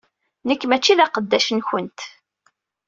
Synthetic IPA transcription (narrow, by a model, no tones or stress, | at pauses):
nəkːmæt͡ʃːiðæqəd̪ːæʃənçənt̪